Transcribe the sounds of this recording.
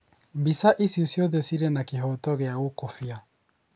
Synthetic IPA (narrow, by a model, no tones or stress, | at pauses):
mbisaʔisjɔsjɔðɛsiɾɛnakeɦɔtɔɣeaokofia